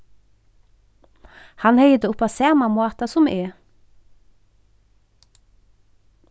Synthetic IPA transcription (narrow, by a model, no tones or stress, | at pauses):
hɑnhœʏd̪əʊpɑːseːmɑmoːt̪ɑsʊmʔeː